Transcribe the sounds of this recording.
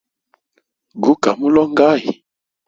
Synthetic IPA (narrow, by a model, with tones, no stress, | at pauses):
ɡu˨˦ka˨mu˦lɔ˦ŋ˦ɡa˦˨ji˨